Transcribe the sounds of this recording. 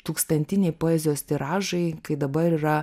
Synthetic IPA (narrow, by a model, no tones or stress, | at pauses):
t̪uːkst̪ɐnʲt̪ʲɪnʲɛɪpoːɛzʲɪjoːst̪ʲiɾɑːʒɐɪkɐɪd̪ɐbɐɾiːɾɐ